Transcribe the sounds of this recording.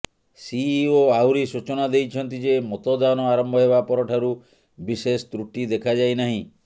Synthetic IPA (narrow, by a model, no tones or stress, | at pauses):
sioawɾisut͡ʃɔnad̪ejt͡ʃʰɔnt̪id͡ʒemɔt̪ɔd̪anɔaɾɔmbʱɔɦebapɔɾɔʈʰaɾu | bisesɔt̪ɾuʈid̪ekʰad͡ʒajnaɦĩ